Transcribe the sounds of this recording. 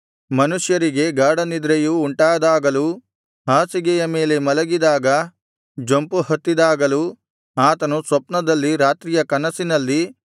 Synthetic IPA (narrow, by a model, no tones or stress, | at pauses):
mɐnuʂjɐɾiɡe̞ɡaːɽɐnid̪ɾejuːɳʈaːd̪aːɡɐlu | ɦaːsiɡɛjɐme̞ːle̞mɐlɐɡid̪aːɡɐ | d͡ʒompuhɐt̪ːid̪aːɡɐlu | aːt̪ɐnusʋɐpnɐd̪ɐlːiɾaːt̪ɾijɐkɐnɐsinɐlːi